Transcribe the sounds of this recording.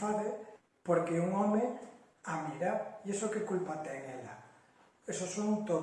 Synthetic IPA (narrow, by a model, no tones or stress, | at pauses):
faðe | poɾkeuŋɔme | amiɾaiesokekulpat̪eŋela̰ | esosoŋt̪o